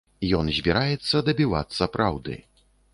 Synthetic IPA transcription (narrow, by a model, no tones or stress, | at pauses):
jɔnzʲbʲiɾajɛt̪sːɐd̪ɐbʲiva̰t̪sːɐpɾʔawd̪ɨ̰